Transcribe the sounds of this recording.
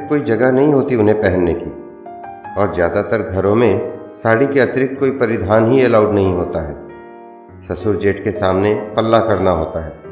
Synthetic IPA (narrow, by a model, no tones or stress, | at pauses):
kkoːid͡ʒɐɡəɦnɐɦĩɦoːt̪iʊnɦẽpɛɦɛnːekiː | ɔːɾzjaːd̪at̪əɾɡʱɐɾõmẽ | saːɽikeɐt̪ɪɾɪk̚koːipɐɾɪd̪ʱaːnɦiɛlaːʊɖnɐɦĩɦoːt̪aɦɛː | sɐsʊɾd͡ʒeːʈkesaːmnepɐlːakɐɾnaɦoːt̪aɦɛː